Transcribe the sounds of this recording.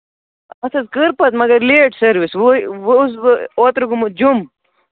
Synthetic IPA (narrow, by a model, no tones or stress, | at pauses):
ɐt̪ʰɐzkɨɾpɐt̪mɐɡɐɾleːʈsɐɾʋisʋusot̪ɾɐɡumud͡ʑum